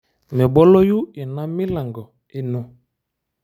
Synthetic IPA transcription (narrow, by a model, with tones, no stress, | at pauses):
mɛ˨bɔ˦lɔ˦ju˦ɛ˨na˦mi˦la˨ŋɡɔ˨ | e˦nu˦